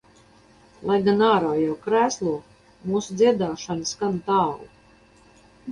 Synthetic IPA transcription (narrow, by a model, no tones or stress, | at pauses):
lˠajɡanaːɾaːjawkɾæːslˠuɔ | muːsud̪ziɛd̪aːʃanɨsɡant̪aːlˠu